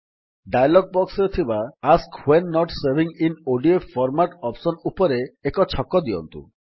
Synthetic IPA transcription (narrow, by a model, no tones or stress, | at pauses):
ɖajlɔɡ̚bɔksɾet̪ʰibaaskhwenːɔʈseɾbiŋinoɖiefʰɔɾmaʈɔpsɔnupɔɾeekɔt͡ʃʰɔkːɔd̪iɔ̰nt̪ṵ